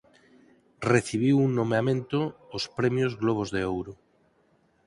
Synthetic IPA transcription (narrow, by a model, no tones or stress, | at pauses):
reθiβ̞iwuŋnomeamẽnt̪oːspɾemjozɣloβ̞ozðeowɾo